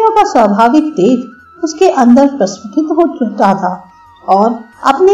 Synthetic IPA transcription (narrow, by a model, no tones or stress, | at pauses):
jõkaswəbʱaːʋɪk̚t̪eːt̪ | ʊskeʔɐ̃nd̪əɾpɾɐsʋɪʈʰɪt̪ɦoːt͡ʃʊɦʈ̪at̪ʰaː | ɔːɾɐ̰pne